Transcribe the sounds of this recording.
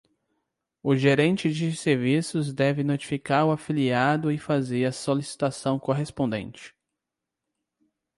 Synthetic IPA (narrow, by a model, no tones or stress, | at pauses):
ʊʒeɾẽnt͡ʃɪd͡ʒɪseɾvisʊzd̪ɛvɪnot͡ʃi̥fikaɾʊafiliad̪ʊɪfazeɾɐsolisi̥t̪asɐ̃w̃koɦespõnd̪ḛ̃nt͡ʃɪ̥